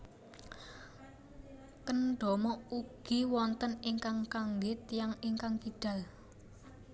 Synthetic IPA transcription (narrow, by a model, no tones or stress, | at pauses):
kənɖ̥ɔ̤mɔuɡ̥i̤wɔnt̪əniŋkaŋkaŋɡɪt̪jaŋiŋkaŋkiɖ̥ä̤l